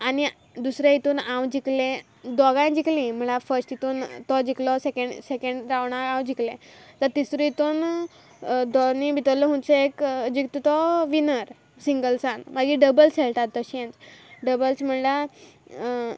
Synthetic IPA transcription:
ani | d̪usɾãit̪uːnãwd͡ʑiklẽ | d̪ɔɡãd͡ʑiklĩm̤əɭafəɾsʈit̪uːnt̪ɔd͡ʑiklɔsekẽɳɖsekẽɳɖɾaʋɳ̃aãwd͡ʑiklẽt̪əɾt̪isɾuit̪on | d̪ɔnibʱit̪əɾlːɔɦũnt͡seekd͡ʑik̚t̪ut̪ɔʋinəɾ | siŋɡəlsãnməɡiɖəbəlselt̪at̪ːəɕẽnd͡zɖəbəlsm̤əɳla

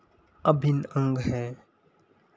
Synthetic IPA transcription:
əbʱɪnə̃ŋɡɦɛː

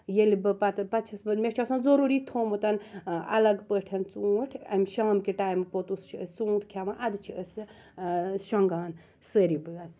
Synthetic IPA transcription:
jelibɨpɐt̪pɐt͡ʃʰɐsbɨmʲet͡ʃʰosɐnzoɾuɾiːt̪ʰoːmɨt̪ɐnɐ̰lɐɡpəʈʰɐnt͡suʈʰɐ̰mʲʃaːmkiʈajmɨpot̪ust͡ʃʰiəsʲt͡suːʈʰkʰʲaʋãnʔɐd̪ɨt͡ʃʰiəs | ʃɔŋɡaːn | səɾibɨɡɐt͡s

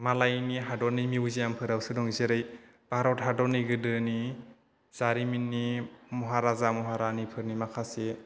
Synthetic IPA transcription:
malajniɦadɔnimiuzejampʰɯɾawsɯdɔŋzeɾɯj | b̥aɾɔtɦadɔniɡɯdɯni | z̥aɾiminːimɔɦaɾazamɔɦaɾanipʰɯɾnimakʰase

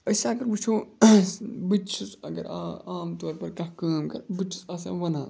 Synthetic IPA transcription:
ɐsɐɡɐɾbut͡ʃʰoː | bɨt͡ʃʰusɐ̰ɡɐ̰ɾaaːmt̪oːɾpɐɾkɐkaːmkɐ̰ɾbɨt͡ʃʰu̥sɐsɐ̰̃ːʋɐnaː

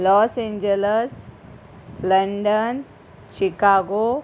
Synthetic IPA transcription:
lɔːsẽɲd͡ʒeles | lɐɳɖən | t͡ʃikaːɡo

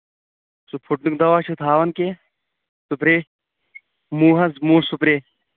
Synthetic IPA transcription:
supʰuʈ̚nuk̚d̪ɐʋaːt͡ʃʰut̪ʰaːʋɐnkeː | supɾeː | muːɦɐzmuːsupɾeː

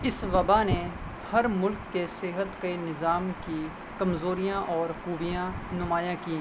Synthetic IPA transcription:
ɪsʋɐbane | hɐɾmʊlkːesɪɦət̪kɐinɪzaːmki | kɐmzoːɾijãʔɔːɾxuːbijãnʊmaːjãkĩː

